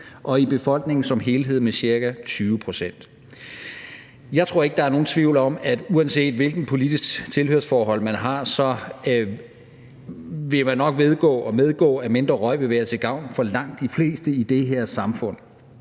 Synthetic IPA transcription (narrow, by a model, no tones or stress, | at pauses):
ʔɒ̽ib̥e̝fɒ̽l̰ɡ̥ne̝ŋn̩sɒ̽mɦe̝ːlɦe̝ð̰ˠnmesɕiɐɡ̥æt͡sʰyːʋəpʰʁo̝sen̰d̥ | jɑ̈ɪt͡sʰʁo̝ɐe̝ɡ̥əd̥ɑ̈æɐno̝ːn̩t͡sʰʋiʊ̰lɒ̽mæd̥uænse̝̰ːd̥ʋe̝lɡ̥n̩pʰo̝lid̥isɡ̥t͡sʰe̝lhøɐsfɒːɦɒ̽l̰mænɦɑ̈sɒ̽ | ʋe̝mænːɒ̽ɡ̥ʋe̝ð̞ˠɡ̥ɔ̰̽ːɒmeð̞ˠɡ̥ɔ̰̽ːæme̝nd̥ʁɐʁɒ̽ɪ̰ʋe̝ʋæːɐt͡sʰe̝ɡ̥ɑ̈ʊ̰nfɒ̽lɑ̈ŋ̰d̥ifle̝̰ːsd̥əid̥e̝ɦeɐsɑ̈mfɔ̽n̰